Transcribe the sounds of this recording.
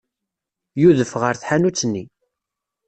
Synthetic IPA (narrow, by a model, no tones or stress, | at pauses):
juðəfʁəɾθħanut͡sːənːi